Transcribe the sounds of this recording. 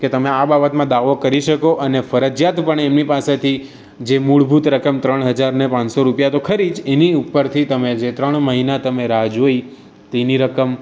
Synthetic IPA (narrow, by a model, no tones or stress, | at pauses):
ket̪əmeababət̪mãd̪aʋokəɾiʃəkoʔənefəɾəd͡ʒjat̪pəɳemnipaset̪ʰi | d͡ʒemuɭbʱut̪ɾəkəmt̪ɾəɳɦəd͡ʒaɾnepãnsoɾupjat̪okʰəɾid͡ʒeniupːəɾt̪ʰit̪əmed͡ʒet̪ɾəɳ̃məɦinat̪əmeɾaɦd͡ʒoi | t̪eniɾəkəm